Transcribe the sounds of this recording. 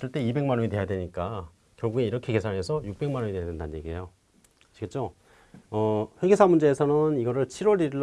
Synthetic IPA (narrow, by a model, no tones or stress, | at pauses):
s͈ʰɯɭt͈e̞ibe̞ŋmanoɲide̞jadwe̞ɲik͈a | kjʌɭɡuɡe̞iɾʌkʰe̞ke̞sʰaɭɦe̞sʰʌjuk̚p͈e̞ŋmanoɲidejadendanjeɡiḛjo | ɕʰiɡet͡ɕ͈o | ʌɸwe̞ɡesʰamund͡ʑe̞ːsʰʌnɯniɡʌɾɯɭt͡ɕʰiɾwʌɾiɾiɭ